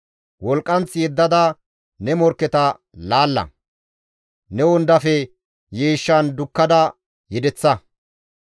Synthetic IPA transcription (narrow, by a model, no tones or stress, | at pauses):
wɔlkʼːɐnt͡sːɪjɛd̪ːɐd̪ɐ | nɛmɔɾkːɛt̪ɐ | laːlːɐ̰ | nɛwɔnd̪ɐfɛ | jeːʃːɐnd̪ʊkːɐd̪ɐ | jɛd̪ɛt͡sːɐ